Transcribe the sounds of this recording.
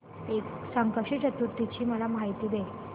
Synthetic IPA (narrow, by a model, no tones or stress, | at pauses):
eksəŋkəʂit͡ɕət̪uɾt̪ːit͡ɕiːməlamɦajt̪iːʋe